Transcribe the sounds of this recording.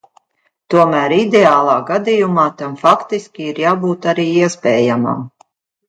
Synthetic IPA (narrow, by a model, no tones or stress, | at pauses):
t̪uɔmæːɾid̪eaːlˠɑːɡad̪ijumaːt̪amfakt̪iskʲiiɾjaːbuːt̪aɾiːiɛspɛːjama̰m